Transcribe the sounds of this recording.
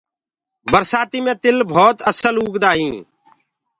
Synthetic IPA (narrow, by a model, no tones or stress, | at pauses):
bəɾsaːt̪iːmẽːt̪ɪlbʱoːt̪əsəluːɡd̪aːɦĩː